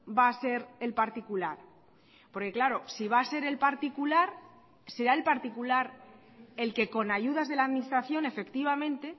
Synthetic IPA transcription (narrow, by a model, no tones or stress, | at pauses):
baːse̞ɾe̞lpaɾt̪ikulaɾ | po̞ɾke̞klaɾo̞siβ̞aːse̞ɾe̞lpaɾt̪ikulaɾ | se̞ɾae̞lpaɾt̪ikulaɾ | e̞lke̞ko̞naʝuð̞azð̞e̞laðminist̪ɾaθjo̞ne̞fe̞kt̪iβ̞amẽ̞nt̪e̞